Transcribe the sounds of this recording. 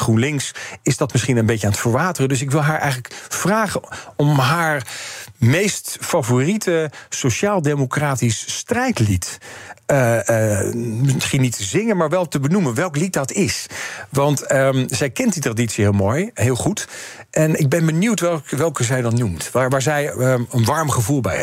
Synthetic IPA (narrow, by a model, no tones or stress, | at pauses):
χrunlɪŋksɪzdɑtmɪsχinənbejkəaːnətfəɹʋaːtərəndɵsɪkʋɪlˠɦaːɹʔɛ̰jχələkv̥raːχənɔmɦaːɹ | mejstfavoːritəsowʃaːlˠdemokraːtisːtrɛjtlit | mɪmɪsχinːitʰəzɪŋənmaːɹʋɛlˠtəbənumənʋɛlˠklit̚dɑtɪsʋɑntəz̥ɛjkɛntditraditsiɦɪːlˠmoːjɦɪːlˠχut | ʔɛnɪɡ̚bɛnbəniwtʋɛʋɛlˠkəzɛjdɑnnumtʋaʋaːɹzɛjənʋɑɹmχəvulˠbɛ̰